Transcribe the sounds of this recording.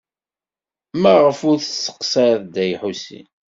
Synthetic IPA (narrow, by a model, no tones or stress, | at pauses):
mæʁəfʊɾθəsːə̥qsɑɾðd̪æjħusḭ